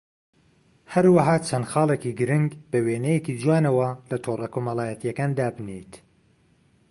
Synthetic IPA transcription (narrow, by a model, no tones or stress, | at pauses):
hɐɾwɐɦaːt͡ʃʰɐnxɑːlˠekiɡɨɾɨŋɡbɐweːnɛjekid͡ʒwaːnɐwɐlɐt̪ʰoːrˤɐkoːmɑlˠaːjɛt̪ijɐkaːnd̪aːbɨnḛjt̪